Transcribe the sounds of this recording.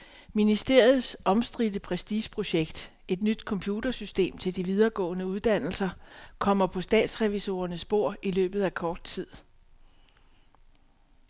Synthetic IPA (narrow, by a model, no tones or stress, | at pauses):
minisd̥e̝ɐ̰jð̩ˠsʔɒ̽msd̥ʁid̥əpʰʁɛsd̥iːɕpʰʁo̝ɕeɡ̥d̥ | e̝d̥nyd̥kʰɒ̽mpʰjuːd̥ɐsysd̥e̝̰ːmt͡sʰe̝ld̥iʋið̞ˠɐɡ̥ɔ̰̽ːnəuð̞ˠd̥æn̰l̩sɐkʰɒ̽m̰ɐpʰɒ̽sd̥ɛ̰ːd̥sʁɛʋiso̝ːɐnəsb̥o̝ɐ̰ilø̰ːb̥ð̞̩ˠækʰɒːd̥̚t͡sʰið̞̰ˠ